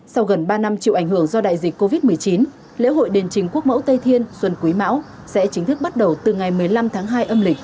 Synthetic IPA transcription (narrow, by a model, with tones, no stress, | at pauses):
sa˧wɣə˨˩nɓaː˧na˧mt͡ɕḭ˧˨wʔa˧˩jŋ̟hɨ˧˩əŋzɔ˧ɗa̰ː˧˨jzi˨˩k̟ko˧vi˦˥t̚mɨ˨˩əjt͡ɕi˨˦n | lḛ˧˥ɦo̰˧˨jɗe˨˩nt͡ɕï˨˩ŋ̟ku˦˥ək̚mə̰˧˥wt̪ə˧jt̪ʰi˧ənswə˧nkwi˨˦ma̰ː˧˥w | sɛ̰˧˥t͡ɕï˨˦ŋ̟t̪ʰɨ˦˥k̚ɓa˦˥t̚ɗə˨˩wt̪ɨ˨˩ŋa˨˩jmɨ˨˩əjla˧mt̪ʰaː˨˦ŋɦaː˧jʔə˧mlï˨˩k̟̚